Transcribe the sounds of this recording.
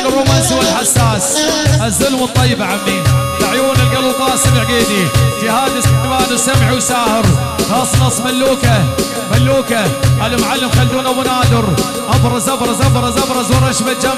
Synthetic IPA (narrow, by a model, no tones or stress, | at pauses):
nrˤːʊmanzuːɪlħasːaːsʔazːʊlmət̪ˤːɑjːbaʕamːiːnt̪aʕjuːnɪlɡalwfˤɑːsɪlʕɡeːd̪id͡ʒɪhaːd̪ɪsɪmaːnwsamʕwsaːhɪɾ | xɑːsˤːnɑsˤːmalːuːka | malːuːkaʔalɪmʕalːɪmxalːuːnawʊnaːd̪ɪɾ | ʔɑbɾˤɑzʔɑbɾˤɑzʔɑbɾˤɑzʔɑbɾˤɑzwɑɾˤɑʃbald͡ʒam